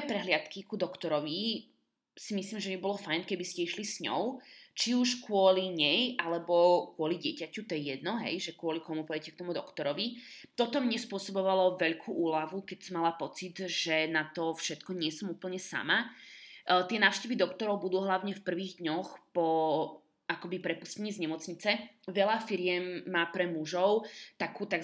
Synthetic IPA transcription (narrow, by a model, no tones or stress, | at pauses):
ɛpɾɛɦlɪat̪kikud̪ɔkt̪ɔɾɔʋi | simisliːmʒɛmibɔlɔfajnkɛbiscɛiʃlisɲɔ̰ʊt͡ʃiuʃkʊɔliɲɛjʔalɛbɔkwʊɔliɟɪɛcacut̪ɔjɛjɛd̪nɔɦɛ̰jʒɛkʊɔlikɔmupɔjɛcɛk̚t̪ɔmud̪ɔkt̪ɔɾɔʋit̪ɔt̪ɔmɲɛspʊɔsɔbɔʋalɔʋɛʎkʰuːʔuːlaʋukɛcsɔmːalapɔt͡sid̪ʒɛnat̪ɔfʃɛt̪kɔɲɪɛsɔmuːpl̩ɲɛsa̰ma | t̪ɪɛnaːʊʃcɛʋid̪ɔkt̪ɔɾɔʊbud̪uːɦlaʊɲɛfpr̩ʋiːɣd̪ɲɔxpɔ | ʔakɔbipɾɛpuscɛɲiːzɲɛmɔt͡sɲit͡sɛ | ʋɛlafiɾɪɛmːaːpɾɛmuʒɔʊt̪akuːt̪aɡ